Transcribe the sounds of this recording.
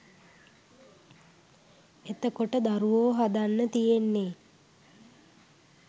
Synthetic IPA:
et̪əkoʈəd̪aɾuʋoːɦad̪anːət̪ijenːe

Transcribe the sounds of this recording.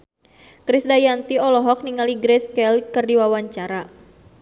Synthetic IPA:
kɾisdajant̪iɔlɔɦɔk̚niŋaliɡɾɛskɛlkɨrdiwawaɲt͡ʃaɾa

